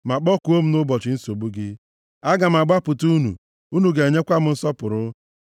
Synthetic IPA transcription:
ma˨k͡pɔ˦ku˨o˦m̩˦nʊ˦bɔ˨t͡ʃɪ˨˦n̩˦so˨bu˦ɡɪ˦ | a˦ɡa˨m̩˨a˨ɡ͡ba˦pʊ˨tu˦nṵ˨ | u˦nu˨ɡe˨e˨ɲe˦kʷa˦m̩˦n̩˦sɔ˦pʊ˨ɾʊ˦

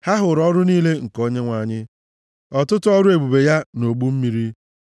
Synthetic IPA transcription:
ha˦ɦʊ˨ɾɔ˦ɾʊ˦niː˦le˦ŋ̩˨ko˦ɲe˦ŋʷa˨ɲɪ˦ | ɔ˨tʊ˦tʊ˦ɔ˦ɾʊ˦e˨bu˨be˨ja˦no˨ɡ͡bu˦m̩˦mi˨ɾi˦

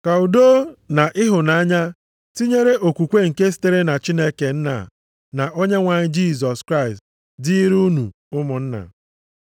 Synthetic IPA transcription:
ka˨u˨do˦na˨ʔɪ˦ɦʊ˨na˦ɲa˦ | ti˦ɲe˦ɾe˦ʔo˨kʷu˨kʷe˦ŋ̩˨ke˦s̬i̥˨te˦ɾe˦na˨t͡ʃi˦ne˦ke˨n̩˦na̰˨ | na˨ʔo˦ɲe˦ŋʷa˨ɲɪ˦d͡ʒi˦˨sɔ˨skɾa˦˨ɪ˨st | dɪ˦i˦ɾu˦nṵ˨ | ʊ˦mʊ˨n̩˦na̰˨

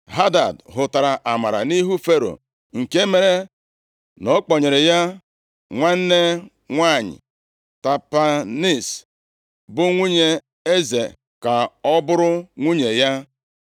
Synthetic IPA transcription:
ɦa˦da˨dɦʊ˨ta˨ɾa˨ʔa˨ma˨ɾa̰˨ni˦ɦu˦fe˦ɾo̰˨ | ŋ̩˨ke˦me˨ɾe˦ | no˦k͡pɔ˨ɲe˨ɾe˨ja˦ | ŋʷa˦n̩˦ne˦ | ŋʷa˦˨ɲɪ̰˨ | ta˨pa˨ni˦˨s | bʊ˦ŋʷu˦ɲe˦ | e˦zḛ˨ | ka˨ɔ˦bʊ˦ɾʊ˦ŋʷu˦ɲe˨ja˦

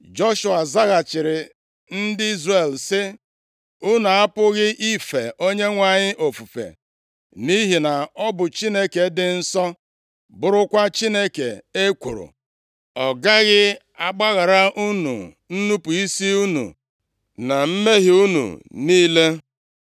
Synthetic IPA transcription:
d͡ʒɔ˦ʃu˨a˨za˦ɣa˨t͡ʃɪ˨ɾɪ˨ | n̩˦dɪ˦i˦zre˨lsɪ˦ | u˦nu˨a˦pʊ˦ɣɪ˦ʔi˦fe˨ʔo˦ɲe˦ŋʷa˨ɲɪ˦ʔo˨fu˨fḛ˨ | ni˦ɦi˨na˨ɔ˦bʊ˨t͡ʃi˦ne˦ke˨dɪ˨n̩˦sɔ˦ | bʊ˨ɾʊ˦kʷa˦t͡ʃi˦ne˦ke˨e˦kʷu˨ɾʊ̰˨ | ɔ˨ɡa˦ɣɪ˦ | a˦ɡ͡ba˦ɣa˨ɾa˦ʔu˦nṵ˨ | n̩˦nu˦pu˨i˦si˦u˦nṵ˨ | na˨m̩˦me˦ɦɪ˨u˦nṵ˨niː˦le˦

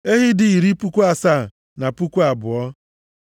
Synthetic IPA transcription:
e˦ɦɪ˦dɪ˨i˨ɾi˦pu˦kʷu˦a˨sa˦˨ | na˨pu˦kʷu˦a˨bʊ˨ɔ˦

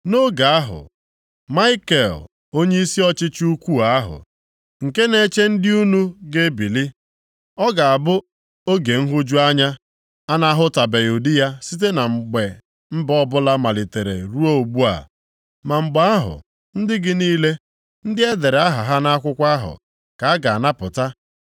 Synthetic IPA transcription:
no˦ɡa˨a˦ɦʊ̰˨ | ma˦ɪ˦ke˨l | o˦ɲe˦i˦si˦ɔ˦t͡ʃɪ˦t͡ʃu˦kʷu˦a˦ɦʊ̰˨ | ŋ̩˨ke˦ne˦t͡ʃe˦n̩˦dɪ˦u˦nu˦ɡe˦bi˨li˦ | ɔ˦ɡa˨a˨bʊ˦ | o˦ɡe˨ŋ̩˦ɦʊ˦d͡ʒu˦a˦ɲa˦ | a˦na˦ɦʊ˦ta˨be˨ju˨di˦ja˦si˦t̬e˦na˨ŋ͡m̩˨ɡ͡be˨ | m̩˦bɔ˦bʊ˦la˦ma˨lɪ˨te˨ɾḛ˨ɾu˦o˦o˨ɡ͡bu˦a̰˨ | ma˨ŋ͡m̩˨ɡ͡ba˦a˦ɦʊ̰˨ | n̩˦dɪ˦ɡɪ˨niː˦le˦ | n̩˦dɪ˦e˦de˨ɾa˦ɦa˨ɦa˦na˦kʷʊ˦kʷa˦ɦʊ̰˨ | ka˨a˦ɡa˨na˦pʊ̰˨ta˦

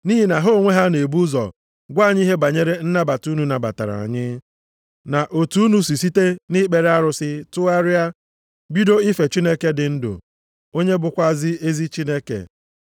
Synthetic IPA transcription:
niː˦ɦi˦na˨ɦo˦˨ŋʷe˦ɦa˦ne˨bu˦zɔ̰˨ | ɡʷa˦˨ɲ˦i˦ɦe˦ba˨ɲe˦ɾe˦n̩˦na˦ba˨tu˦nu˨na˨ba̰˨ta̰˨ɾa̰˨a̰˨ɲɪ˦ | na˨ʔo˨tu˨˦nu˦s̬i˨si˦te˦ni˦k͡pe˨ɾe˦a˦ɾʊ˨sɪ˦tʊ˦a˦ɾɪ˦a˦ | bi˦do˦i˦fe˨t͡ʃi˦ne˦ke˦dɪ˨n̩˦dʊ̰˨ | o˦ɲe˦bʊ˨kʷa˦zɪ˦e˦zi˦t͡ʃi˦ne˦kḛ˨

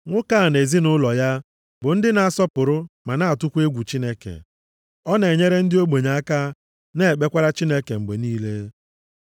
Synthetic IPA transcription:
ŋʷʊ˦ka˦˨ne˨zi˦nʊ˦lɔ˨ja˦ | bʊ˨n̩˦dɪ˦na˨a˨sɔ˦pʊ˨ɾʊ˦ma˨na˦a˨tʊ˦kʷe˦ɡʷu˨t͡ʃi˦ne˦kḛ˨ | ɔ˦ne˨ɲe˦ɾe˦n̩˦dɪ˦o˦ɡ͡bo˨ɲa˨a˦ka˦ | ne˦e˨k͡pe˦kʷa˦ɾa˦t͡ʃi˦ne˦ke˨m̩˨ɡ͡be˨niː˦le˦

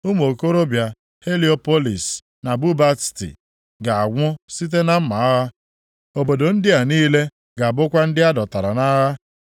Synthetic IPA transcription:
u˦m˦o˨ko˦ɾo˦bja˨ | he˦li˦o˦po˦li˨s | na˨bu˦ba˦ttḭ˨ | ɡa˨a˨ɡʷʊ˦si˦t̬e˦na˦m̩˦ma˨a˦ɣa˦ | o˨bo˨do˨n̩˦dɪ˦a˨niː˦le˦ | ɡa˨a˨bʊ˦kʷa˦n̩˦dɪ˦a˦dɔ˨ta˨ɾa˨na˦ɦa˦

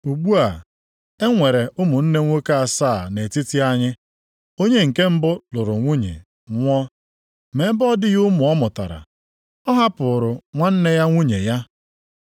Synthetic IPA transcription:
u˨ɡ͡bu˦a˨ | e˦ŋʷe˨ɾe˨ʔʊ˦mʊ˨n̩˦ne˦ŋʷo˦ka˦a˨saː˦˨ne˨ti˦ti˦a˦ɲɪ˦ | o˦ɲe˦ŋ̩˨ke˦m̩˦bʊ˦lʊ˨ɾʊ˨ŋʷu˦ɲḛ˨ | ŋʷɔ˦ | me˨˦bɔ˦dɪ˦jʊ˦mʊ˨ɔ˦mʊ˨ta̰˨ɾa̰˨ | ɔ˦ɦa˦pʊ˨ɾʊ˨ŋʷa˦n̩˦ne˦ja˦ŋʷu˦ɲe˨ja˦

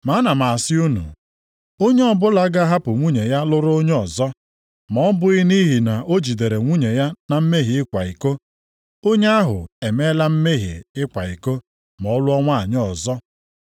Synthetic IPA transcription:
ma˨˦na˨ma˨a˨sɪ˦u˦nṵ˨ | o˦ɲe˦ɔ˦bʊ˦la˦ɡa˦ɦa˦pʊ˨ŋʷu˦ɲe˨ja˦lʊ˦ɾʊ˦o˦ɲ˦ɔ˨zɔ˦ | mɔ˦bʊ˦ɪ˦ni˦ɦi˨na˨ʔo˦d͡ʒi˨de˨ɾe˨ŋʷu˦ɲe˨ja˦na˨m̩˦me˦ɦi˨ɪ˦kʷa˨i˨ko˦ | o˦ɲe˦a˦ɦʊ̰˨e˨me˦la˦m̩˦me˦ɦḭ˨ɪ˦kʷa˨i˨ko˦ | mɔ˨˦lʊ˦ɔ˦ŋʷa˦a˨ɲ˦ɔ˨zɔ˦

